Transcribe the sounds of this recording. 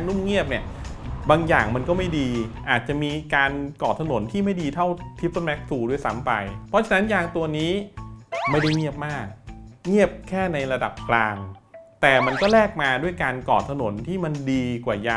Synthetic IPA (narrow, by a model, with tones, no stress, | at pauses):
nːu˥˩mŋi˥˩əp̚ni˦˥˩əbaː˧ŋjaː˨˩ŋma˧nkɔː˥˩ma˥˩jdiː˧ʔaː˨˩t̪̚t͡ɕa˨˩ʔmiː˧kaː˧nkɔː˨˩t̪ʰa˧no˩˦nt̪ʰiː˥˩ma˥˩jdiː˧t̪ʰa˥˩wt̪ʰi˦˥p̚ːnmɛ˦˥k̚t̪ʰuː˧˩du˥˩˨jsa˦˥mpa˧jpʰɔ˦˥t͡ɕʰa˧˥na˦˥njaː˧ŋt̪u˧ɐniː˦˥ | ma˥˩jda˥˩jŋi˥˩əp̚maː˥˩k̚ŋi˥˩əp̚kʰɛː˥˩na˧jɾa˧da̰˨˩p̚klaː˧ŋt̪ɛː˨˩ma˧nkɔː˥˩lɛː˥˩k̚maː˧du˥˩əjkaː˧nkɔ̰ː˨˩t̪ʰːa˧no˩˦nt̪ʰiː˥˩ma˧ndiː˧kwaː˨˩jaː˧